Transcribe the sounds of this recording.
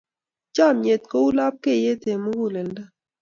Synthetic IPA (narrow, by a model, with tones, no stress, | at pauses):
t͡ʃa˦˨mje˨t̪̚ko˦u˦la˦p̚ke˦˨je˦t̪e˨mu˦ɡu˦˨le˨nɖa˦